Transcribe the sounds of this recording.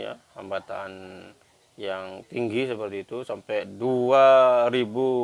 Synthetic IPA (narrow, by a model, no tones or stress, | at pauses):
ja̰ha̰mbat̪an | jaŋt̪iŋɡisəpərt̪iːt̪usampɛduaɾibu